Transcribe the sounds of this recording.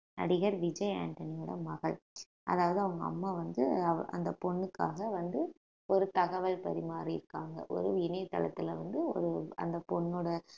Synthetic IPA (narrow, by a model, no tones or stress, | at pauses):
nɐ̰ɽɪɣɐɾʋɪd͡ʒɐɪa̰ːɳʈɐnɪjɐːɽɐ̰mɐɣɐ̰ɭ | ʔɐ̰ðaːʋɐðɯɐʋɐŋɡɐɐ̰mːaːʋɐnd̪ɯɐʔɐ̰nd̪ɐpɔɳːɯkːaːɣɐʋɐnd̪ɯ | ɔɾɯt̪ɐɣɐʋɐɭpɐɾɪmaːɾiɪɾɯkːaːŋɡɐ̰ʔɔ̰ɾɯɪnɐɪt̪ːɐ̰lɐ̰t̪ːɪlɐʋɐnd̪ɯɔ̰ɾɯɐ̰nd̪ɐpɔɳːoːɽɐ